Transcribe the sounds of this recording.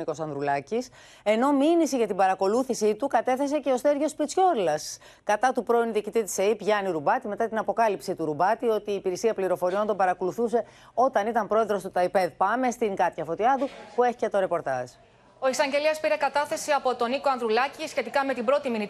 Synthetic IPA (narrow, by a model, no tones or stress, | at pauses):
iko̞sɐnðɾulɐcis | e̞no̞minisiʝɐt̪ibɐɾɐko̞luθisit̪ukɐt̪e̞θe̞s̬e̞ce̞o̞sθe̞ɾʝo̞spit͡sço̞ɾlɐs | kɐt̪ɐt̪upɾo̞inuðiːcit̪it̪i̥seipʝɐniɾubɐt̪ime̞t̪ɐt̪inɐpo̞kɐlipsit̪uɾubɐt̪io̞t̪iːpiɾisiɐpliɾo̞fo̞ɾio̞nt̪o̞bɐɾɐko̞luθuse̞ | o̞t̪ɐnit̪ɐmpɾo̞e̞ðɾo̞st̪ut̪ɐipe̞ðpɐme̞st̪iŋɡɐt̪çɐfo̞t̪iɐðupue̞çicet̪o̞ɾe̞po̞ɾt̪ɐz̥ | o̞isɐɲɟe̞liɐspiɾekɐt̪ɐθe̞siɐpo̞t̪o̞niko̞ɐnðɾulɐcisçe̞t̪ikɐme̞t̪ibɾo̞t̪imini